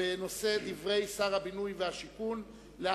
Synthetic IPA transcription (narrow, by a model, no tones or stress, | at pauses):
eno̞se̞d̪ivʁe̞jsaʁhabinujvehaʃikun | lea